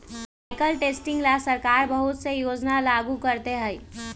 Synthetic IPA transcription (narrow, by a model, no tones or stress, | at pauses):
baɪkəlʈesʈĩŋɡlasəɾkaɾbəɦut̪sejod͡ʒnalaɡukəɾt̪eɦəj